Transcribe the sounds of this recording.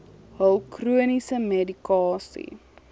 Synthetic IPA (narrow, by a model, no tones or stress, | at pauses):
ɦəlˠkruənisəmedikɑːsḭ